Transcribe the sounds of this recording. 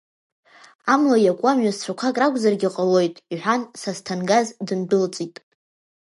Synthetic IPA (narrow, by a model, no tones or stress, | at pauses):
amlajakʷʼamɥazt͡ɕʷʰakʷʰakʼrakʷʼzarɡʲiqʼalo̞jtʼiħʷᶣansastʰanɡazdɨndɨlt͡sʼitʼ